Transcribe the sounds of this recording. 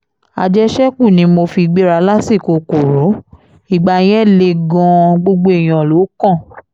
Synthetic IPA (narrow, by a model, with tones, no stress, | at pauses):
a̰˧d͡ʒɛ˦ʃɛ˦k͡pũ˦˨nĩ˨˦mo˧fi˧ɡ͡be˦ɾa˧˦la˦si˦˨ko˧˨ko˨ɾo˨˦ | i˦˨ɡ͡ba˨j̃ɛ̃˦˨le˧ɡɔ̃˧ɡ͡bo˧ɡ͡bo˦e˦˨j̃ɔ̃˨lo˨˦kɔ̃˦˨